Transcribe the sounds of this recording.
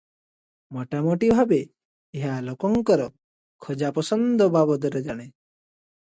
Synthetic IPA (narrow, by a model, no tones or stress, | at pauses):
mɔʈamɔʈibʱabeː | ɦalokɔŋkɔɾɔ | kʰɔd͡ʒapɔsɔnd̪ʱɔbabɔd̪ɔɾed͡ʒaɽ̃e